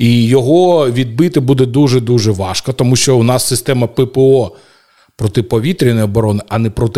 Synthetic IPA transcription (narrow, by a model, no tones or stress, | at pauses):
ijɔɦɔʋʲid̪̚bɪt̪ɪbud̪ɛd̪uʒɛd̪uʒɛʋɑʃkɐt̪ɔmuʃt͡ʃɔʊnɑsːɪst̪ɛmɐpɪpɛɔ | pɾɔt̪ɪpɔʋʲit̪ɾʲinɔjɔbɔɾɔnɪʔɐnɛpɾɔt̪ɪ